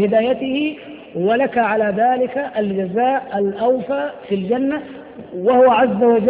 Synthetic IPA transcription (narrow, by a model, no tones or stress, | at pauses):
hɪd̪aːjat̪ɪhɪ | walakaʕalaːðaːlɪkaʔald͡ʒazaːʔalʔawfaːfild͡ʒanːa | wahʊwaʕazːawad͡ʒ